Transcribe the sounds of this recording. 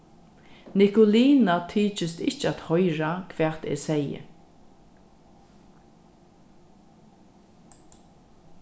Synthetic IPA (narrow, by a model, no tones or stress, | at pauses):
nɪkʊliːnat̪ʰiːt͡ʃɪst̪ɪht͡ʃːat̪hɔjɾakʰvɛːt̪ḛːsɛjə̰